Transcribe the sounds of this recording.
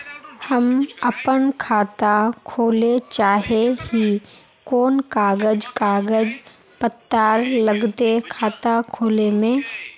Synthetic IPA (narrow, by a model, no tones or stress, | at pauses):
hɐmɐpənkʰaːt̪akʰoːlet͡ʃaːɦehi | koːnkaːɡəd͡ʒkaːɡəd͡ʒ | pət̪ːaːɾlɐɡt̪ekʰaːt̪akʰoːlemẽ